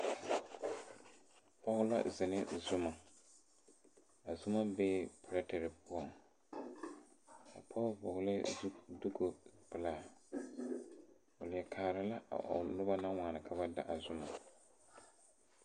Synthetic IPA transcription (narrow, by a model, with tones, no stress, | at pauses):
pɔ˦ɣʊ˦la̰˦zɪ˨nɪ˦zʊ˦ma˨ | a˨zʊ˦ma˦be˦pɾa˦tɛ˨ɾɪ˨pʊ˦ɔ˨ŋ | ka̰˨pʰɔ˦pɔ˨ɣʊ˦lɪ˦du˦ɡo˨pɪ˨laː˦˨ | ʊ˨lɪ˨ɛ˨kʰaː˨ɾɪ˨la˦a̰˨nʊ˦ba˦na˦waː˨nɨ˨kʰa˨βa˦da̰˨ʔa˨zʊ˦ma˨